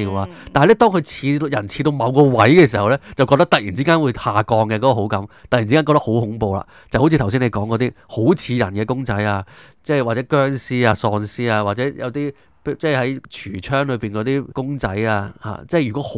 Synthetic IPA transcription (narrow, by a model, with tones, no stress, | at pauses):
i˧waː˧ | t̪aː˨˧lɛ˥t̪ɔː˥ŋkʰɵ˧ɥt͡sʰiː˧jɐ˨˩nt͡sʰiː˧t̪o˧wmɐ˨˧wkɔː˧wɐ˨˥jkɛː˧si˨˩hɐ˨˩wlɛː˥t͡sɐ˨wkɔ˧t̪ɐ˥k̚t̪ɐ˨jiː˨˩nt͡siː˨˥kaː˥nwu˨˧jhaː˨kɔː˧ŋkɛ˧kɔː˨˥kɔː˨˧ɦo˨˥wkɐ˨˥mt̪ɐ˨ji˨˩i˥aː˥kɔ˧t̪ɐ˥kho˨˥whʊ˨˧˥ŋpo˨˧wla̰ː˨ | t͡sɐ˨˩who˨˥t͡sʰi˧˨˩wsiː˥ne˧jkɔː˨˥ŋkɔː˨˧˥t̪iː˥ho˨˥wt͡sʰiː˧jɐ˨˩nkɛː˧kʊ˥ŋt͡sɐ˨˥jaː˧ | t͡sɛ˥˩waː˨˩t͡sɛ˨˧˥kœː˥ŋsiː˥aː˧sɔː˧nsiː˥aː˧waː˨˩t͡sɛː˨˧˥jɐ̰˨˧wt̪iː˥ | pt͡sɛː˥˩hɐ˨˥jt͡ʃʰyː˨˩t͡ʃʰœː˥ŋlɵ˨˧ɥpiː˨˩nkɔː˨˧˥t̪iː˥kʊ˥ŋt͡sɐ̰˨˥jaː˧ha̰ː˨˩t͡sɛː˥˩jy˨˩kɔː˨˦˥h